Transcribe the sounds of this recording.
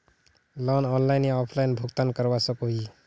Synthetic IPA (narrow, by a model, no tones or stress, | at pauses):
lɔnɔnlajneɔpʰlajnbʱuɡt̪ankəɾbasəkoɦi